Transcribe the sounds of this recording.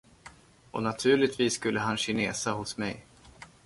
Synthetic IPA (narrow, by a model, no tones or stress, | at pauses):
ɔ̰nat̪ʰʉ̟ːɭɪt̪viːsːkɵlːəɦanɕɪneːsahʊsmɛ̰j